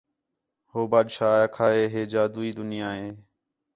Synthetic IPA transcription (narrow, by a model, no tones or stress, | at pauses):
hoːbaːd̪ʃaːkʰaːɦeːɦeːd͡ʒaːd̪uːiːd̪ʊnɪjaːɦeː